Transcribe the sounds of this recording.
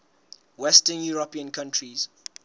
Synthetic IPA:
wɛstənjuɹəpiə̃nkʰãntʰɹiz̥

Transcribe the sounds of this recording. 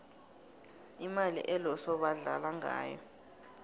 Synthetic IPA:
imalḭʔɛlɔsɔɓaɮa̰laŋa̰ːjɔ̰

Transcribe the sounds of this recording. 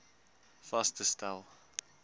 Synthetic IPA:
fastəstalˠ

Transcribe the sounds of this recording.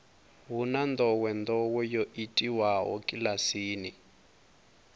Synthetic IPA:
βunand̪ɔwɛnd̪ɔwɛjoʔitʼiwaɦɔ̰kʼilasiːni

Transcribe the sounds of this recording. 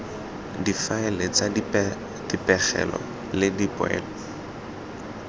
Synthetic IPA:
difaɪlet͡sa | d̥ipʼɛχɛ̰lɔ̰ | lɪdipʼʊɛ̰ːl

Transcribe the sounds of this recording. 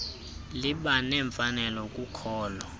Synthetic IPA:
liɓanɛɱfanɛlɔkʼukʰɔːlɔ

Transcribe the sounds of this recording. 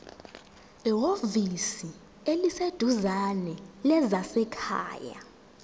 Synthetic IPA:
iɦovisi | elised̥ʱuzanɛlɛzasɛkʰa̰ːja̰

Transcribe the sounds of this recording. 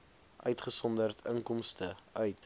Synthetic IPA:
ʔœɥtχəsɔndərtəŋkɔmstəœɥt

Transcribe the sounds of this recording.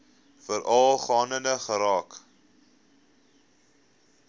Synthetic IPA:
fəɾʔɑlˠχɑːnəndəχəɾɑːk

